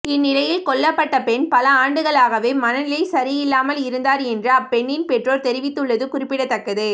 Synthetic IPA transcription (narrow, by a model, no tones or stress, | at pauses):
ɪnːɪlɐjɪlkɔɭːɐpːɐʈːɐpɛɳpɐlɐaːɳɖɯɣɐɭaːɣɐʋeːmɐnɐnɪlɐɪsɐɾɪjɪlːaːmɐlɪɾɯnd̪aːɾɛndrɯɐpːɛɳːɪnpɛʈroːɾt̪ɛɾɪʋɪt̪ːɯɭːɐðɯkʊrɪpːɪɽɐt̪ːɐkːɐðɯ